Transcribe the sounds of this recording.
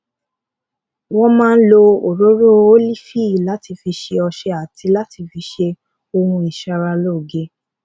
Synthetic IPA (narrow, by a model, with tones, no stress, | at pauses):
wɔ̃˦mãː˦n̩˦lo˧o˨ɾo˨˦ɾo˦o˦li˦fi˦˨i˨la˨˦ti˧fi˧ʃe˧ɔ˧ʃɛ˧a˨tʰi˧la˦ti˧fi˧˦ʃe˧ | o˧hũ˧i˨ʃa˧ɾa˧lo˦˨ɡe˦